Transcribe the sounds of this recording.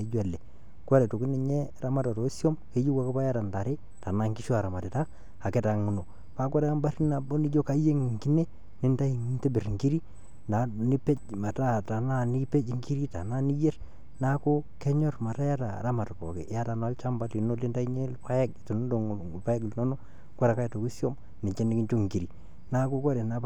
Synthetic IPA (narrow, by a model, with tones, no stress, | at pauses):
e˨d͡ʒwa˨lɛ˨ | kʷa˦ɾɛ˨to˨ki˦ni˨ɲɛ˦ɾa˦ma˦ta˨ɾo˨˦sjo˦mke˦d͡ʒi˦wa˦ko˦pa˦ja˦ta˨nda˨ɾe˦ | ta˨na˦ŋɡi˦ʃo˦a˨ɾa˨ma˨te˨ta˦ | a˨kɛ˨˦ta˨ŋu˨no˨ | pa˦ka˦ɾa˦mba˦ɾi˦na˨bo˦ni˦d͡ʒo˦ka˦je˦ŋ˨ŋɡi˦ne˦ | nɪ˦nda˦i˨ŋ˦nte˦bɪ˨ɾŋɡi˦ɾi˦ | na˨ni˦pe˦t͡ʃma˨ta˦˨ta˨na˦˨ni˦pe˦t͡ʃŋɡi˦ɾi˦ta̰˨na˦ni˦je˦r | na˦ko˦kɛ˦ɲɔ˦rma˨ta˦ja˦ta̰˨ɾa˦ma˨tkɔ̰˨kɛ̰˨ja˦ta˨na˦lt͡ʃa˦mba˦li˨no˦lɪ˦nda˦i˦ɲe˦lpa˦jɛ˦kto˨n˦do˨ŋ˨pa˦ɛ˦klno˦nɔ˦ | kwɔ˦ɾa˨ka˦i˨to˨ki˦sjɔ˦m | nɪ˨t͡ʃɛ˦nɪ˦ki˦ɲt͡ʃo˦ŋŋɡi˨ɾi˨ | na˦ko˦kɔ˦ɾɛ˨na˨˦b